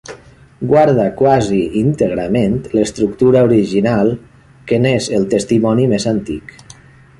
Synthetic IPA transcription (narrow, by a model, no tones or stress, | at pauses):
ɡwaɾðakwaziint̪əɣɾament̪ləst̪ɾuk̚t̪uɾauɾiʒinalˠ | kənezəlˠt̪əst̪imɔnimezant̪ḭk